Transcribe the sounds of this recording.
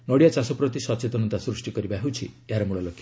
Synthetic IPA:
nɔɽijat͡ʃasɔpɾɔt̪isɔt͡ʃet̪ɔnɔt̪asɾusʈikɔɾibaɦewt͡ʃʰieɦaɾɔmuɭɔlokʰːja

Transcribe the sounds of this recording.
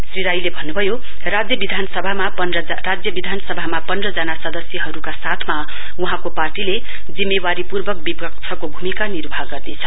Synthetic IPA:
sriɾajlebʱʌnːubʱʌjo | rad͡zjʌbid̪ʱanʌsʌbʱamapʌnrʌ | rad͡zjʌbid̪ʱanʌsʌbʱamapʌnrʌd͡zʌnasʌd̪ʌsjʌɦʌɾukasat̪ʰma | uɦãkoparʈile | d͡zimːewaɾipurbʱʌk̚bibʌk̚t͡sʰʌkobʱumikanirbʱaɡʌrnet͡sʰʌ

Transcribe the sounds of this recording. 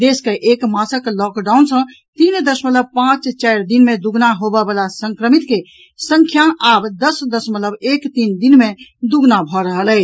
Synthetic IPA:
d̪eskeʔekmãsəklɔkɖawnsə̃ | t̪ind̪əsmət̪ləb̚pãt͡ʃt͡ʃajɾd̪inmed̪uɡnaɦobɛbalasəŋkɾəmit̪ke | sə̃ŋkʰjaabd̪əsd̪əsmət̪ləbekt̪ind̪inmed̪uɡnabʱɔɾəɦələt͡ʃʰ

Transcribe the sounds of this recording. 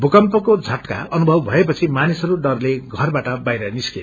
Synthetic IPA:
bʱukʌmpʌkod͡zʱʌʈka̰ʌnubʱʌbbʱʌepʌt͡sʰimanisʌɾuɖʌrleɡʱʌrbaʈʌbajɾʌniskḛ

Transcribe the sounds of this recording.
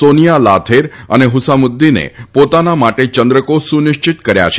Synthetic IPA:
sonijalat̪ʰeɾəneɦʊsamʊd̪ːinḛpot̪anamaʈet͡ʃənd̪ɾəkosunɪʃt͡ʃɪt̪kəɾja̰t͡ʃʰe̥

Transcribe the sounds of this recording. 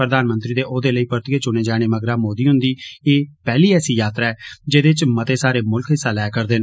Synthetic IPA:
pɾəd̪aːnmə̃nt̪ɾiːd̪eːʔoːd̪eːləiːpəɾt̪ɪeːt͡ʃʊneːd͡ʒaːɽ̃eːməɡɾaːmoːd̪iːɦʊ̃nd̪iːeːpɛːliːɛːsiːjaːt̪ɾaːɛːd͡ʒeːd̪eːt͡ʃmət̪eːsaːɾeːmʊlkʰɦɪsːaːlɛːkəɾd̪eːn

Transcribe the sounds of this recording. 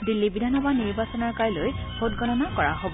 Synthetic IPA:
dilːibidʱanɔbaniɹbasɔnaɹkajlojbʰʱotɡʱɔnɔnakɔɹa̰ɦobɔ

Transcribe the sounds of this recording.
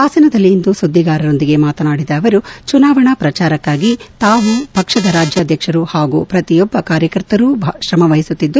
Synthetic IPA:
aːsɐnɐd̪ɐlːiːnd̪usud̪ːiɡaːɾɐɾo̞nd̪iɡe̞maːt̪ɐnaːɽid̪ɐːʋɐɾut͡ʃunaːʋɐɳɐpɾɐt͡ʃaːɾɐkːaːɡit̪aːʋub̥ʱɐkʂɐd̪ɐɾaːd͡ʒjaːd̪ʱjɐkʂɐɾuhaːɡṵpɾɐt̪ijɔbːɐkaːɾjɐkɐɾt̪ɐɾubʱʃɾɐmɐʋɐɦisut̪ːid̪ːu

